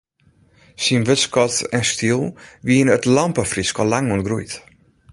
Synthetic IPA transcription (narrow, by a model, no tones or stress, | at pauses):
sinʋøskɔtɛnstʰiəlˠʋiənətlɔmpəfriskɔlaŋuənɡrujt